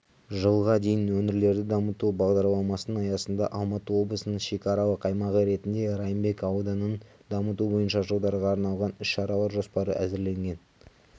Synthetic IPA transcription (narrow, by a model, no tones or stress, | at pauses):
ʒəlˠʁɑd̪e̞jɪnwɵnɪɾle̞ɾd̪ɪd̪ɑmət̪ubɑʁd̪ɑɾlˠɑmɑsənəɑjɑsənd̪ɑ̰ʔɑlˠmɑt̪əwo̞blˠəsənəɴʃe̞kʲɑɾɑw̪əqʰɑjmɑʁəɾe̞t̪ɪnd̪e̞ɾɑjəmbe̞kɑwd̪ɑnəɴ | d̪ɑmət̪ubo̞jənʃɑʒəlˠd̪ɑɾʁɑːɾnɑlˠʁɑnʏʃːɑɾɑwɑɾʒospɑɾə̰ʔæ̰zɪɾle̞ŋɡʲe̞n